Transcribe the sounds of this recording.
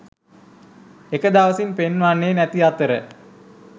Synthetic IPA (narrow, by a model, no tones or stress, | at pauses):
ekəd̪aʋəsinpenʋanːeːnæt̪iat̪əɾə